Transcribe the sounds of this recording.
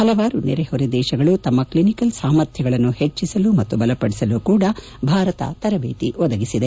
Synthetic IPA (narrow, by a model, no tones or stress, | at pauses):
hɐlɐʋaːɾunḭɾehoɾid̪ɛːʃɐɡɐɭut̪ɐmːɐklinikɐlsaːmɐɾt̪ʰjɐɡɐɭɐnːuhet͡ʃːisɐlumɐt̪ːubɐlɐpɐɽisɐlukuːɽɐ | bʱaːɾɐt̪ɐ̰t̪ɐɾɐbeːt̪iʋɔd̪ɐɡisid̪e